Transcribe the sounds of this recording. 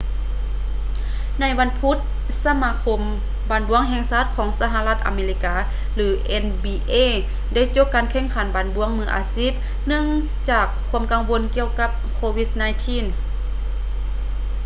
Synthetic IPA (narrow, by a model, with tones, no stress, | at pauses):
na˧˥jʋa˧˥npʰu˧˦˥t̪̚ | sa˧maː˧˥kʰo˧m | baː˨˩nbu˧˥əŋɦɛː˧˨ŋsaː˧˩t̪̚kʰɔː˨˦ŋsa˧ɦa˧la˧t̪̚ʔa̰˨meː˧li˧kaː˧ | lɯː˨˦ʔɛ˧nbiː˧ʔeː˧˥˨ | da˧˩˨jt͡ɕo˧˥pkːaː˨nkʰɛː˧˥˨ŋkʰa˨˩˦nbaː˨˦nbu˧˥əŋmɯː˧˥ʔa̰ː˧˦siː˦˥˩t̚ | nɯ˧˥˨ŋ | t͡ɕaː˨˩kʰːu˧˥ə˨mka˧ŋʋo˧˥˨nki˧əwka˧p̚kʰoː˧wi˧˥snaː˧˨jt̪ʰiː˧˥˨n